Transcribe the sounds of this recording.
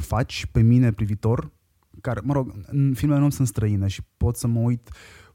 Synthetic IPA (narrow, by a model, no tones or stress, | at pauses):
fat͡ʃʲpe̞mine̞pɾivit̪o̞r | kaɾməɾo̞ɡɨnfilmelenomsunst̪ɾəineʃi̥po̞t̪səməujt̪